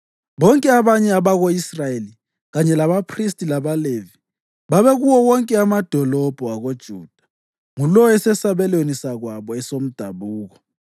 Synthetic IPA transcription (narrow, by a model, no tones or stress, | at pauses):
βɔŋkʼɛaβaɲɛaβaɣoisrajeli | ɣaɲɛlaβapʰristʼilaβalevi | βaβɛɣuwɔwɔŋkʼɛamad̥ʱɔlɔb̥ʱɔaɣod̥ʒ̥ʱṵːd̥ʱḁ | ŋulɔɛsɛsaβɛlwenisaɣwaβɔɛsom̩d̥ʱaβuːɣɔ